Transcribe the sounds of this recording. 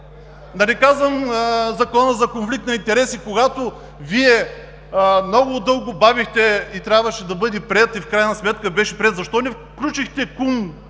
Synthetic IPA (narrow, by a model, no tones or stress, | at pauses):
nɐlɛkazvəmzɐkɔnəzɐkonflik̚t̪nɐint̪ɛɾɛsikoɡat̪o | viɛ | mnɔɡʊd̪ɤlˠɡʊbavixt̪ɛit̪ɾʲabvɐʃɛd̪ɐbɤd̪ɛpɾʲɛt̪ifkɾajnɐsmɛt̪kəbɛʃɛpɾʲɛt̪zɐʃt̪ɔnɛf | klʲut͡ʃixt̪ɛkum